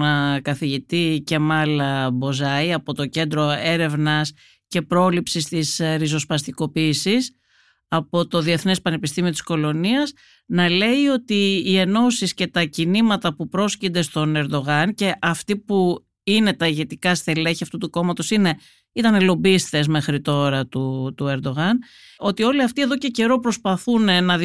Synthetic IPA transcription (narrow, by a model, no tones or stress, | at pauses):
kɐθiʝit̪ice̞mɐlbo̞zɐiɐpo̞t̪o̞ce̞nd̪ɾo̞e̞ɾe̞vnɐs | ce̞pɾo̞lipsist̪isɾizo̞spɐst̪iko̞piːsis | ɐpo̞t̪o̞ðie̞θne̞spɐne̞pist̪imiot̪i̥sko̞lo̞niɐz | nɐle̞io̞t̪iːe̞no̞sisce̞t̪ɐcinimɐt̪ɐpupɾo̞scind̪e̞st̪o̞ne̞ɾd̪o̞ɣɐnce̞ʔɐft̪ipu | ine̞t̪ɐiʝe̞t̪ikɐst̪e̞leçiɐft̪ut̪uko̞mɐt̪o̞sine̞ | it̪ɐnelo̞bist̪e̞zme̞xɾit̪o̞ɾɐt̪ut̪ue̞ɾd̪o̞ɣɐn | o̞t̪io̞liɐft̪ie̞ðo̞ce̞ce̞ɾo̞pɾo̞spɐθunnɐð